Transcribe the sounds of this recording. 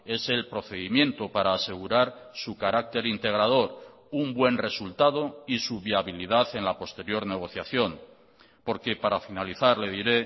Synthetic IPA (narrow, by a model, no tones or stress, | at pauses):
e̞se̞lpɾo̞θe̞ðimjẽ̞nt̪opaɾaːse̞ɣ̞uɾaɾsukaɾak̚t̪e̞ɾint̪e̞ɣ̞ɾað̞o̞ɾ | umbwe̞nre̞sult̪að̞o̞isuβjaβiliðaθe̞nlapo̞st̪e̞ɾjo̞ɾne̞ɣ̞o̞θjaθjo̞n | po̞ɾkepaɾafinaliθaɾle̞ðiɾe̞